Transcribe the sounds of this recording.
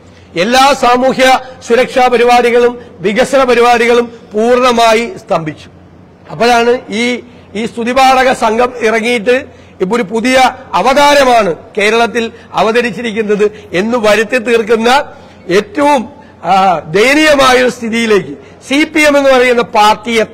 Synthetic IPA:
e̞lːaːsaːmuːhjɐsuɾɐkʂaːpɐɾiʋaːɾiɣɐɭumʋiɣɐsɐnɐpɐɾiʋaːɾiɣɐɭumpuːrɳɐmaːjist̪ʰɐmbʱit͡ɕːu̥ | ɐpːɐɻaːɳɨiː | iːst̪ʰuðibaːɽɐɣɐsɐŋɡʱɐmirɐŋːijiʈːɨ | ipːoɾupuðijɐɐʋɐd̪aːɾɐmaːɳɨke̞ːɾɐɭɐt̪̬ːilɐ̰ʋɐðɐɾit͡ɕːiɾik̬ʲːunːɐðɨe̞nːuʋɐɾɐt̪ːet̪iːrkunːɐ | e̞ːtːɐʋum | d̪ejnijɐmaːjust̪ʰiðijile̞ːkːɨ | sipːijeme̞nːupɐrɐjunːɐpaːrtijet̪ː

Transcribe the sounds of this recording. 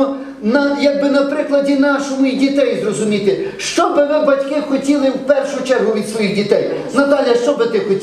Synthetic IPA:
nɐjɐɡ̚bɪnɐpɾɪklˠɐdʲinɑʃʊmʊidʲit̪ɛjzrɔzʊmʲit̪ɪʃt͡ʃɔbɪʋɪbɐtʲkɪxɔtʲilˠɪwpɛrʃʊt͡ʃɛrɦʊʋʲid̪sʋɔjiɣdʲit̪ɛj | nɐt̪ɑlʲjɐʃt͡ʃɔbɪt̪ɪxɔtʲ

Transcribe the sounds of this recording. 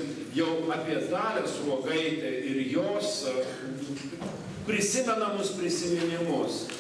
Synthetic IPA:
jɛʊɑːpʲiɛd̪ɑːlʲɛsroɔɡɐɪt̪ʲɛɪɾjoːs | pʲɾʲɪsʲɪmʲɛnɐmʊspʲɾʲɪsʲɪmʲɪnʲɪmʊs

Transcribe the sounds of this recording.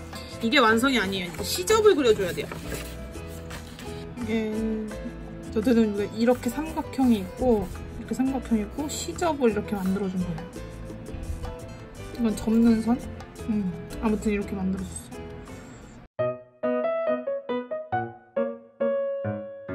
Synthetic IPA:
iɡe̞wansʰʌŋiaɲijoitʰeɕʰid͡ʑʌbɯɭkɯɾjʌd͡ʑojade̞jo | je | t͡ɕʌdenɯnɡeʔiɾʌkʰe̞sʰamɡakʰjʌŋiːk̚k͈oiɾʌkʰe̞sʰamɡakʰjʌŋiːk͈oɕʰid͡ʑʌbɯɾiɾʌkʰe̞mandɯɾʌd͡ʑunɡʌjo | iɡʌnt͡ɕʌmnɯnsʰʌnɯmamutʰɯniɾʌkʰe̞mandɯɾʌd͡ʑʌs͈ʌ

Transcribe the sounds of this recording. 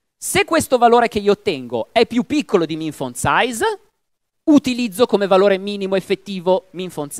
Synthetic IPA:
sekːwest̪ovaloːɾekeiːoːt̪ːɛŋɡo̰ɛpːjupːikːolod̪imiɱfonsajz | ut̪ilid̪zːokomevaloːɾemiːnimoefːet̪ːiːvomiɱfons

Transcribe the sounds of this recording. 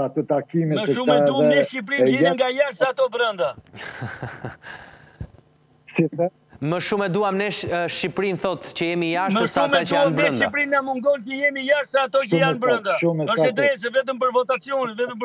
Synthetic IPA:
at̪ət̪akimiməʃumɛuanɛʃip̬ɾiɛŋɡajaʃt̪aat̪ɔbɾənd̪a | siɛ | məʃumɛd̪uamnɛʃʃipɾinθɔt̪cəjɛmijaʃməʃsamad̪əjaanbɾənʃd̪iapɾinamuŋɡɔncəjɛmijaʃt̪aaːt̪ɔcjanbɾənd̪aumɛəʃɛt̪ɾɛsɛvɛt̪̬əmpəɾvɔt̪at͡siɔnɛvɛt̪əmp

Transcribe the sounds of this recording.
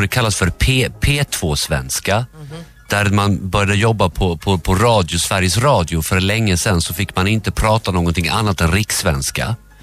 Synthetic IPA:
d̪ɛkʰalːasfœɾpʰeːpʰeːt̪ʰv̥oːsvɛ̰nska | d̪̥æɾmanbœɾjad̪əjɔbːapʰɔpʰɔpʰɔɾɑːd̪ɪʊsvæɾjəsɾɑːd̪ɪʊfœɾɭɛŋːəsɛnsɔfɪkːmanɪnt̪əpʰɾɑːt̪anoːɡɔnt̪ʰɪŋa̰nːat̪ɛnɾɪksvɛnska̰

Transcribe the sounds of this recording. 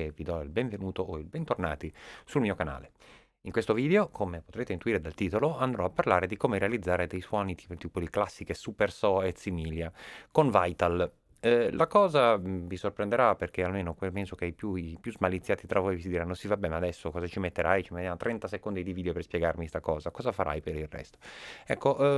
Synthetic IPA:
evid̪ɔilbeɱvenuːt̪ooilbɛnt̪orna̰ːt̪isulmiːokana̰ːle | iŋkwest̪oviːd̪eokʰomepot̪ɾeːt̪eint̪uiːɾed̪alt̪iːt̪oloand̪ɾɔapːarlaːɾed̪ikomeɾealid̪zːaːɾed̪ejswɔnit̪iːpt̪iːpod̪iklasːikesupersɔet̪simiːljakonvajt̪al | lʔakɔːzavisorpɾend̪eɾaperk̟ealmeːnokpɛnsokeajpjuipjuzmalit̪sːjaːt̪it̪ɾavojvisid̪iɾanːosivabːɛmad̪ɛsːokɔːzat͡ʃimet̪ːeɾʔajt͡ʃimet̪ːjamot̪ɾʔɛnt̪asekond̪id̪ivid̪eoperspjɛɡarmist̪akɔːzakɔːzafaɾʔa̰jpeɾilrːɛ̰st̪o̥ɛkːoʔ

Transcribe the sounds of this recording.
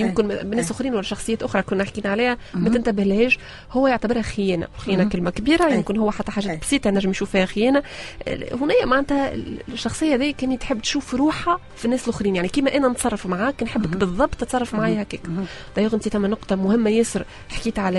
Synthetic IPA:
jɪmkɪnbnːɛːsʔʊxɾiːnwælːæʃɑxsˤɨjæːt̪ʔʊxɾˤɑkʊnːħkiːnʕaliːhæmæt̪ɪnt̪æbɪhlhɛːʒ | hʊwːæjɪʕt̪æbɪɾhæxɪjɛːnæ̰wxjæːnækɪlmækbiːɾæjɪmkɪnɦʊwːæħat̪ːæħaːʒæːt̪̚bsˤiːt̪ˤɑʔnæʒːɪmjʃuːfːiːhæxjæːnæ̰ | hʊnæjːæmaʕænt̪hæ̰ʃːɑxsˤɨjːɑðiːkænit̪ħɪbːt̪ʃuːfɾuːħa | finːæːsɪlʔʊxɾiːnjaʕnikiːmæʔænænt̪sˤɑrˤːɑfmaʕaːknħɪbːɪkbɨðˤːɑbt̪ət̪sˤɑrˤːɑfmʕaːjhækɛːkd̪ˤɑjoɣnt̪it̪æmːænʊqt̪ˤɑmʊhɪmːæjɪsɾ | ħkiːt̪ʕalæ

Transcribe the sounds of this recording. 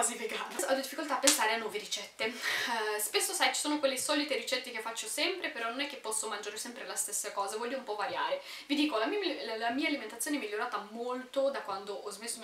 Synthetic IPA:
aziveɡaːt̪asad̪od̪ifːikolt̪aːpːensaːɾeanːwɔːveɾit͡ʃɛt̪ːe | spesːosajt͡ʃi̥soːnokwelːisɔːlit̪eɾit͡ʃɛt̪ːekefːat͡ʃːosɛmpɾepeɾɔnonɛkːepːɔsːomand͡ʒaːɾesɛmpɾelast̪esːakɔːzavɔljumpɔvaɾja̰ːɾe | vid̪iːkolamillamiːaːliment̪at̪sjoːneɛmiʎːoɾaːt̪amolt̪od̪akwand̪oʔɔzmesːo

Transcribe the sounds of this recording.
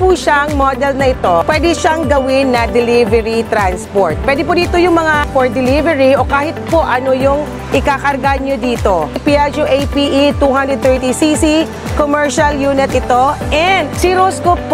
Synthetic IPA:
puːʃaɐŋmod̪ɛlnɐʔɪt̪o̞pwɛd̪ɪʃaŋɡɐwɪnːɐd̪ɛlivɛɹit̪ɾanspoɹt̪̚pwɛːd̪ɪpʊd̪iːt̪ojʊŋmɐŋapɔɹd̪ɛlivɛɹiʔo̞kaːhɪt̪̚po̞ʔɐnojʊŋ | ʔɪkakɐɾɡaɲod̪iːt̪o̞piad͡ʒoʔejpiːʔit̪uːɦand̪ɾɛd̪t̪ɛɹt̪isisi | komɛɹʃɐljuːnɪt̪ʔɪt̪o̞ʔɛnd̪t͡ʃiɾoskopː

